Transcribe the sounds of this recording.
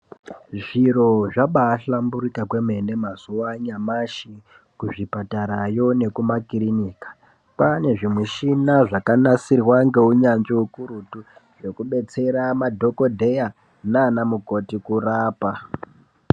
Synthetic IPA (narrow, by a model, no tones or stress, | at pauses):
ʐiro̞ʐaɓaːɬambuɾikakwe̞me̞ne̞mazuwaɲamaʃi | kuʐipataɾajo̞ne̞kumakiriniːkḁ | pane̞ʐimwiʃinaʐakanasirwaŋɡe̞uɲand͡ʒeukuɾutuʐe̞kuɓe̞t͡se̞ɾamadʱo̞ko̞dʱe̞ja | naːnamuko̞tikuraːpa